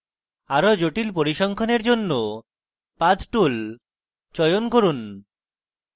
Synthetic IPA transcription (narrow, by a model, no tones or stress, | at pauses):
aɾod͡ʑoʈilpoɾiʃɔŋkʰɔneɾd͡ʑonːo | pad̪ʈul | t͡ɕɔjonkoɾun